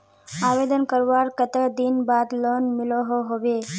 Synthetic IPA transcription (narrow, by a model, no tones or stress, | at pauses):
aʋed̪ənkəɾʋaɾkət̪əd̪inbad̪lonmɪloɦoɦoʋe